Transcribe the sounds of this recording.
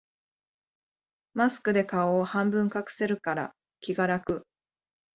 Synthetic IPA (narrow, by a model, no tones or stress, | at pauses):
masɨ̥kɯ̟d̪e̞kaoːhãmbɯ̟̃ŋkakɯ̟̥se̞ɾɯ̟kaɾa̰ | kʲiɡaɾakɯ̟